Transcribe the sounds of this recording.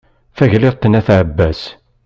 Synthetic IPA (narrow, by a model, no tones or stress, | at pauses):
fæʝlɪʁt̪ˤːənæθʕəbːæs